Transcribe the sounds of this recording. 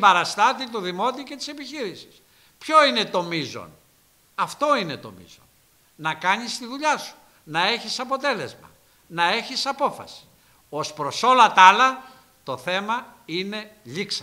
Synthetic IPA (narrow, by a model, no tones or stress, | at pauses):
bɐɾɐst̪ɐt̪it̪uðimo̞t̪ice̞t̪i̥se̞piçiɾisi̥s | pço̞ine̞t̪o̞mizo̞̰n | ɐft̪o̞ine̞t̪o̞̰mḭzo̰n | nɐkɐɲist̪iðuʎɐsu̥ | nɐe̞çisɐpo̞t̪e̞le̞zmɐ̰ | nɐe̞çisɐpo̞fɐ̰si̥ | o̞spɾo̞so̞lɐt̪ɐlɐ | t̪o̞θe̞mɐine̞ʎiksɐ